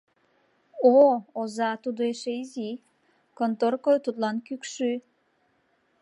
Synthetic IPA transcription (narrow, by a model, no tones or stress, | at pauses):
oozɑt̪ud̪oeʃeizi | kont̪orkojt̪ut̪lɑnkykʃy